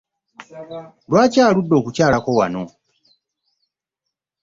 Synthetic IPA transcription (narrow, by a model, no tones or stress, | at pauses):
lwaːcaːludːo̞ːkucaːlakowa̰no